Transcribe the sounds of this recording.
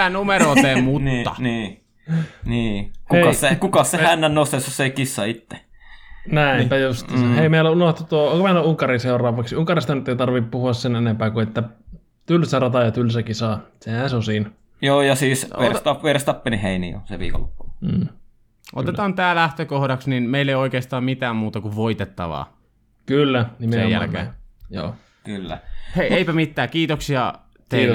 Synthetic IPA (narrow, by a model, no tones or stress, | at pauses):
ænumeɾoːt̪emutniːɑniː | niːkuekɑsekukɑssehænːænnost̪esːussekisːɑit̪ːe̥ | næˑimpæjost̪ːheimeilæunoht̪ut̪uooŋkomeilæuŋkɑɾiseurɑːʋɑksiuŋkɑrist̪ɑnyt̪ːeit̪ɑrʋippuhuɑssenenempæːkuet̪ːæ | t̪ylsærɑt̪ɑjɑt̪ylsækisɑːsehæsosiːn | joːjɑsiːsʋḛrst̪ɑʋerst̪ɑpːeniheinḭjo̰sḛʋḭːko̰lːo̰pːuː | ʔo̰t̪et̪ɑːnt̪æːlæht̪økohdɑksninmeilːeioikeːst̪ɑːmmit̪æːmmuːt̪ɑkuʋʋoit̪et̪ːɑ̰ʋɑ̰ː | kylːænimseḛjjæ̰lkḛːjo̰ː | kylːæ̰heeipæmit̪ːæːkiːt̪oksiɑ | t̪ei